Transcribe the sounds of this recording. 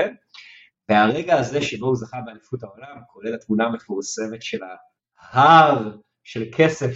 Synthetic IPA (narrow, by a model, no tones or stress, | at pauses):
en | veaʁeɡaːze̞ʃebouzaχabeanifutao̞lamkʰo̞le̞lat̪muname̞fuʁse̞me̞tʃe̞la | haʁ | ʃe̞lkʰe̞sef